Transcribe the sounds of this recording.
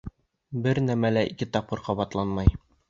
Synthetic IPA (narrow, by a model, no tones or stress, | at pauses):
bɘɾnæmælæikɘt̪ɒp̚qːɤɾqɒbɑt̪lˠɑnmɑj